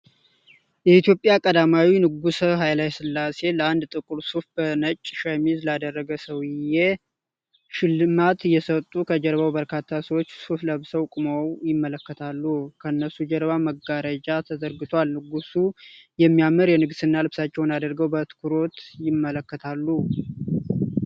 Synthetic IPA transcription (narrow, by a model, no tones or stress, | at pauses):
jɛit̪ʰjo̞pʼːjakʼəd̪amawinɨɡusəɦajlajsɨlːase̞ləand̪t̪ʼɨkʼuɾsufb̥ənət͡ʃʼːʃamizlad̪ərːəɡəsəwɪje | ʃɪlɨmat̪jɛsət̪ʼːukʰəd͡ʒɛɾβawbəɾkʰat̪ʰːasəwot͡ʃːsufləβsəwkʼɨməwjɪmːələkːət̪ʰalːukʰəɨnːəsud͡ʒɛɾβaməɡaɾəd͡ʒat̪ʰəzəɾɡɨt̪ʰwalnɨɡusujɛmːijaməɾjɛnɨɡsɨnːalɨβsat͡ʃːɛwnad̪əɾɡəwbət̪ʰɨ̥kʰuɾo̞t̪jɪmːələkːət̪ʰalːu